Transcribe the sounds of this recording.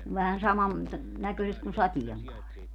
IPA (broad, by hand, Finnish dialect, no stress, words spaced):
ʋæhæn sɑmɑn tɑ nækøˑĭset kun sɑtieŋkɑːri